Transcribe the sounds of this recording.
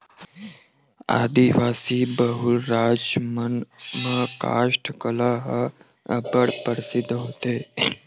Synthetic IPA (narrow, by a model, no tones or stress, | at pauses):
a̰ːd̪iʋaːsiːbəɦulɾaːd͡ʒmənmə̃ka̰ːʃʈʰkəlaɦə | ə̰bəɽpəɾsɪd̪ɦoːt̪eː